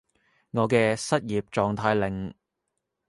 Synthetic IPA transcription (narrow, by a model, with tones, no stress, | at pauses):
ŋɔː˨˧kɛː˧sɐ˥t̚jiː˨˩p̚t͡ʃɔː˨ŋt̪ʰaː˧jlɪ˨˩ŋ